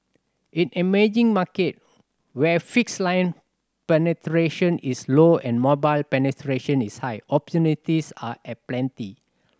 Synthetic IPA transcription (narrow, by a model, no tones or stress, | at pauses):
ʔĩnɛmed͡ʒĩŋmaket̚ | wɛfikslãjn | pɛnɛtɹeʃə̃nisloɛ̃nmɔbaɪlpɛnɛtʰɹeʃə̃nishajɔpɔtjunitisaʔɛplɛ̃nti